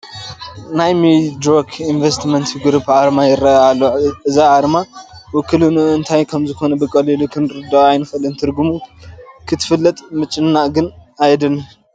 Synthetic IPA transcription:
najmid̪ɾokʰinvest̪mɐnt̪ɨɡɾupʕaɾmajɪɾɐalːoʔɨzaʕaɾmawʊkʰːɨlunɨnt̪ʰajkʰɐmzɨxo̞nɐbɨkʼɐlilukʰɨnɾɨd̪aajnɨfɐlɨnt̪ʰɨɾɡumukʰɨt̪ʰɨ̥fɨlːɐt̪ʼmɨt͡ʃʼːɨnːaɡɨnajd̪ɨnu

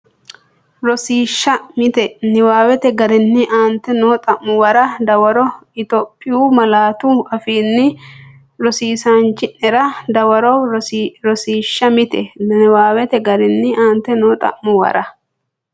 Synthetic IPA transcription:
ɾɔsiːʃːɐmɪt̪ɛnɪwaːwɛt̪ɛɡɐɾɪnːɪʔaːnt̪ːɛnoːt̪ʼɐʔmːʊwɐɾɐd̪ɐwɐɾɔɪt̪ɔpʼːɪjuːmɐlaːt̪uɐfiːnːɪ | ɾɔsiːsant͡ʃːɪnɛɾɐd̪ɐwɐɾɔɾɔsiːʃːɐmɪt̪ɛɪwaːwɛt̪ɛɡɐɾɪnːɪaːnt̪ːɛnoːt̪ʼɐ̰mːʊwɐ̰ɾɐ

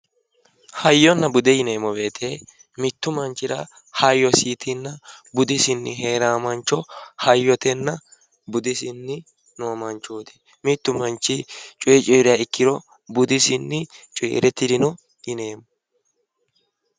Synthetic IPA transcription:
hɐjːɔnːɐbʊd̪ɛjɪne̞ːmːɔbe̞ːt̪ʰeː | mɪt̪ːʊmɐnt͡ʃːɪɾɐ | hɐjːɔsiːt̪ɪnːɐbʊd̪ɪsɪnːɪɦeːɾaːmɐnt͡ʃːɔhɐjːɔt̪ɛnːɐ | bʊd̪ɪsɪnːɪ | noːmɐnt͡ʃːoːd̪ɛ̥ | mɪt̪ːʊmɐnt͡ʃːɪt͡ʃʼɔjɛt͡ʃʼɔjɾɪjaɪkːɪɾɔ | bʊd̪ɪsɪnːɪt͡ʃʼɔːɾɛt̪ːɪd̪ɪnɔ | jɪne̞ːmɔ

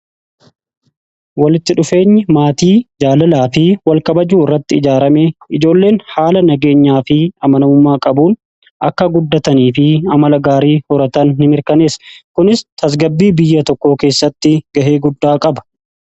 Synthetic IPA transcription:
wɐlɪt̪ːɪᶑʊfe̞ːɲːɪmaːt̪iːd͡ʒaːlɐlaːfɪwɐlkɐbɐd͡ʒuːɪrːɐt̪ːɪɪd͡ʒaːɾɐmeɪd͡ʒo̞ːlːe̞ːnhaːlɐnɐɡe̞ːɲːaːfɪɐmɐnɐmʊmːaːkʼɐbuːn | ʔɐkːɐɡʊd̪ːɐt̪ɐniːfɪɐmɐlɐɡaːɾiːhɔɾɐt̪ɐnhɪmɪɾkɐne̞ːskʊnɪst̪ɐs̬ɡɐbːiːbɪjːɐt̪ɔkːo̞ːke̞ːsːɐt̪ːɪɡ̥ɐʔe̞ːɡʊd̪ːaːkʼɐbɐ̥

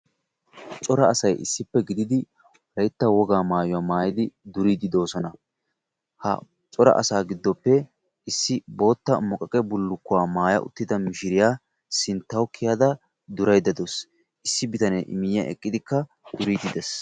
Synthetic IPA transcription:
t͡sʼɔɾɐːsɐjʔɪ̰sːɪpːɛɡɪd̪ɪd̪ɪ | wɾɐjt̪ːɐwɔɡaːmaːjʊwaːmaːjɪd̪ɪd̪ʊɾiːd̪ɪd̪o̞ːsɔnɐ | hɐ̰ | t͡sʼɔɾɐ̰ʔɐ̰saːɡɪd̪ːɔpːɛ | ɪsːɪbo̞ːt̪ːɐmɔkʼːɐkʼɛbʊlːʊkːʊwaːmaːjɐ̰ʔʊ̰t̪ːɪd̪ɐmɪʃɪɾɪjaː | sɪnt̪ːɐwkʰːɪjad̪ɐ | d̪ʊɾɐjd̪ɐd̪ɔs | ʔɪsːɪbɪt̪ɐnɛʔɪ̰mɪjːɐ̰ʔɛ̰kʼːɪd̪ɪkːɐ | d̪ʊɾiːd̪ɪd̪ɛs

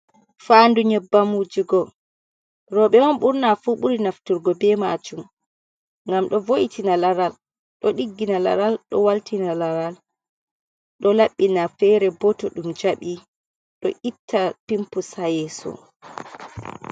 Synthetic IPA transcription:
fanduɲɛbːamud͡ʒiɡɔ | ɾɔɓɛɔnɓuɾnafuɓuɾinaftuɾɡɔbɛmad͡ʒum | ŋɡamɗɔvoʔitʰinalaɾal | ɗɔɗiɡːinala̰ɾalɗɔ̰waltinalaɾal | ɗɔlaɓːinafɛɾɛbɔtɔɗumd͡ʒaɓi | ɗɔʔitʰːapimpusajɛsɔ̰

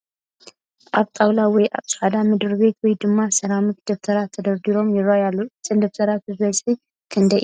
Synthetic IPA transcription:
ʔaβt̪ʼawlawɔjʔa̰βt͡sʼħad̪amɨd̪ɨɾbe̞t̪wɔjd̪ɨmːasɐɾamɨk̪̚d̪oft̪ʰɐɾat̪ʰːɐd̪ɐɾd̪iɾo̞mjɪɾajalːot͡sʼɨnd̪oft̪ʰɐɾat̪̚ɨzɐsʼħi | kʰɨnd̪ɐjʔ

